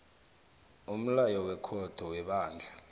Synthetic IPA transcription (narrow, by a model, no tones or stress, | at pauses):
um̩lajɔwɛkʰɔd̥ʱɔwɛɓaːnd͡ɮʱa